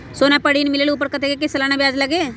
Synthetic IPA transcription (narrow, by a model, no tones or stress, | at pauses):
soːnapɐɽiːnmɪleːluːp̬əɾkɐt̪ʰekek̬esɐlaːnabjaːd͡ʒlɐɡeː